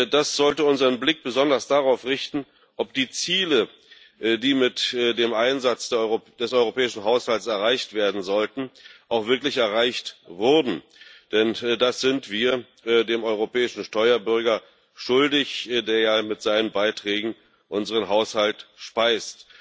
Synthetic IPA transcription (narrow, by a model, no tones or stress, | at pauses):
d̥asz̥ɔltəʊnzəʁənblɪk̚b̥əzɔndɐsd̥aʁaʊfʁɪçtn̩ | ʔɔp̚d̥iːt͡siːlə | diːmɪtdeːmʔaɪnzat͡sd̥ed̥ɛsʔɔʏʁopɛːɪʃn̩ɦaʊshaltsɛɐʁaɪçtv̥eːɐdn̩zɔltn̩ʔaʊxv̥ɪɐklɪçɛɐʁaɪçtvʊɐdn̩ | d̥ɛndasz̥ɪntv̥iːɐ | deːmɔʏʁopɛːɪʃn̩ʃtɔʏɐbʏɐɡɐ | ʃʊldɪçdeːɐjaːmɪtz̥aɪnənbaɪtʁ̥ɛːɡŋ̩ | ʔʊnzəʁənɦaʊshaltʃpaɪst